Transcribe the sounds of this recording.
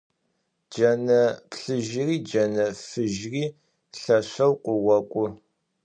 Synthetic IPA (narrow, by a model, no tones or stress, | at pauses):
d͡ʒɐnɐpɬɨʒɪriːd͡ʒɐnɐfɨʒriː | ɬɐɕɐwqʷʊwɐkʷʼʊ